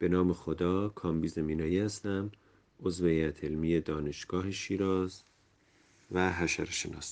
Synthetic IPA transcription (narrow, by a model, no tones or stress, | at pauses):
b̥e̞nɒːme̞xod̪ɒːkʰɒːmbiːzemiːnɒːjiːhæst̪æm | ozveæt̪ʰelmiːjed̪ɒːne̞ʃɡ̥ɒːheʃiːɾɒːz | væɦæʃæɾʃenɒ̰ːs